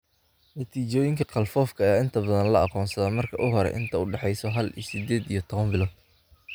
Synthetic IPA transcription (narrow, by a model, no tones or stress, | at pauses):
nɐt̪ʰiːt͡ʃɔːjɪŋkʰɐqɑlfɔːfkʰɐjaːɪnt̪ʰɐbɐðɐnlɐɑqɔːnsɐðɐmɐrkʰɐʔʊɦɔɾɛ̰ʔɪ̰nt̪ʰɐʊɖɛħɛjsɔɦɐlḭsɪd̪ɛːd̪ijɞt̪ʰɔβɐmbɪlɔːd̪